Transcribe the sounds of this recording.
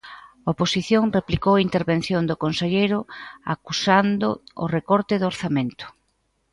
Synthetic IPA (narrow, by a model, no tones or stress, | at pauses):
aoposiθjoŋreplikowaint̪eɾβen̟θjond̪ʊkonseʎejɾʊa̰kusand̪ʊ̰ʊrekɔɾt̪ɪðoɾθamẽnt̪ʊ̥